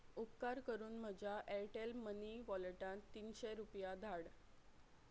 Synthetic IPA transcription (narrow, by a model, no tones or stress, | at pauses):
up̚kaɾkəɾuːnm̤əd͡ʑʱaʔeʈelməniʋɔləʈãnt̪ːiːnɕeɾupjad̪ʱaɽ